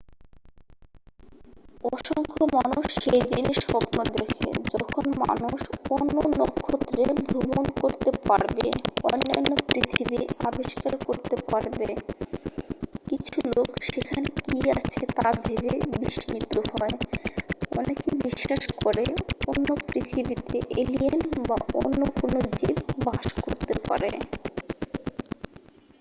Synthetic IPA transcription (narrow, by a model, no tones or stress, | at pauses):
ɔʃɔŋkʰomanuʃːejd̪ineɾʃɔpnod̪ekʰḛd͡ʑɔkʰonma̰nuʃonːonɔkʰːot̪ːɾebʱɾomonkoɾt̪epaɾbeonːanːopɾit̪ʰibia̰biʃkaɾkoɾt̪epaɾbe | kit͡ɕʰulokʃekʰanekiat͡ɕʰet̪abʱebebiʃmit̪ohɔe | ɔ̰nekibiʃːaʃkoɾeonːopɾit̪ʰibit̪eʔelienba̰onːokonod͡ʑid̪baʃkoɾt̪epa̰ɾe